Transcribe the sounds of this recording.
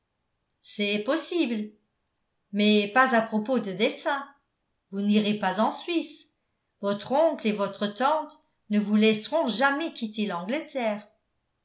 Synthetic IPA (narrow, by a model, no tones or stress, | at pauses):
sɛpɔsibl | mɛpazapχɔpod̪əd̪esɛ̃ | vuniʁepazɑ̃sɥis | vɔt̪χɔ̃klevɔt̪χət̪ɑ̃t̪ | nəvulɛsʁɔ̃ʒamɛkit̪elɑ̃ɡlət̪ɛːʁ